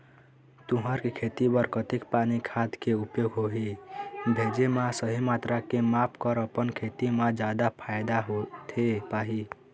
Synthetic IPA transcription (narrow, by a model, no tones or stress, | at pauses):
t̪uɦəɾkekʰet̪ibəɾkət̪ikpanikʰad̪keupjoɡɦoɦibʱed͡ʒemasəɦimat̪ɾakemapʰkəɾəpənkʰet̪imãd͡ʒad̪apʰajd̪aɦot̪ʰepaɦi